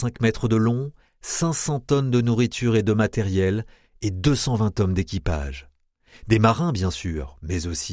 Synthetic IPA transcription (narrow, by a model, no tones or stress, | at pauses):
sɛ̃kmɛt̪χəd̪əlɔ̃ | sɛ̃sɑ̃t̪ɔnd̪ənuʁit̪ʰyʁed̪əmat̪ɛʁjɛl | ed̪øsɑ̃vɛ̃t̪ɔmd̪ekʲipa̰ʒ | d̪emaʁɛ̃bjɛ̃syːʁmɛzosi